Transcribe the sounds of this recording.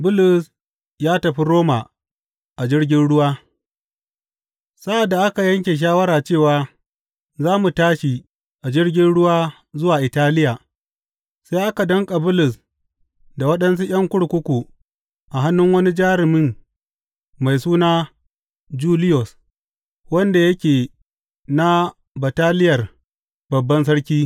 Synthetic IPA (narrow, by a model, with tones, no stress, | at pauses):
bʊ˦lʊ˨s | jaː˦tɐ˨ɸi˦ɾoː˦ma˨ | ʔa˨d͡ʒɪ˦ɽɡʲɪ˦nɽʊ˦waː˦ | sa˦ʔa˨dːa˨ʔa˦ka˨jɐ˦ŋkʲe˨ʃ̬aː˦wɐ˦ɾaː˨t͡ʃeː˦˨waː˦ | zaː˦mu˨taː˦ʃi˨ | ʔa˨d͡ʒɪ˦ɽɡʲɪ˦nɽʊ˦waː˦ | zʊ˦waː˨ʔɪ˨taː˦lɪ˦jaː˨ | sa˦jʔa˦ka˨dɐ˦ŋkʼa˨bʊ˦lʊ˨s | da˨wɐ˦ɗɐ˦ns̬u˦j̰ʲɐ˦ŋkʷʊ˦ɽkʷʊ˦kʷu˨ | ʔa˨ɦa˦nːʊ˦ŋwɐ˦ni˦d͡ʒaː˦ɾɪ˨mɪ˦ŋ | ma˨jsuː˦naː˦ | d͡ʒuː˦lɪ˦jɔ˨s | wɐ˦nda˨jɐ˦kʲeː˨ | na˦ | ba˨taː˦lɪ˦jɐ˨r | bɐ˨bːɐ˦ns̬ɐ˦ɽkʲiː˦